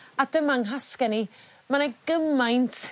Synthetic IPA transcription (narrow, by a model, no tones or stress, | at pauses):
adəmaŋɦaskɛni | manaɡəmajntʰ